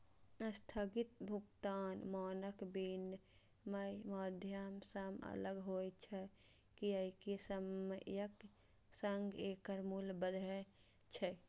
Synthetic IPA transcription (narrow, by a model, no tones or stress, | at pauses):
əst̪ʰaɡit̪̚bʱukt̪aːnmɔːnəkbinː | məjməd̪ʱjəmsəmə̰ləɡɦojt͡ʃʰɛ | kiəikesəməjək | səŋɡekəɾmulbəd̪ʱɾɛ | t͡ʃʰɛ